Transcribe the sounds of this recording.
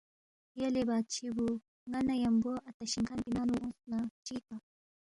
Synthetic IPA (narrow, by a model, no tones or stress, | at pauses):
jɐlebaːt̪̚t͡ɕʰibu | ŋɐnɐjɐmbuʔɐt̪ɐɕiŋkanpinaːnuʔũsnat͡ʃika